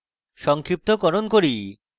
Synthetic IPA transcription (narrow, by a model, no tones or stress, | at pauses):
ʃɔŋkʰɾip̚t̪okɔɾonkoɾi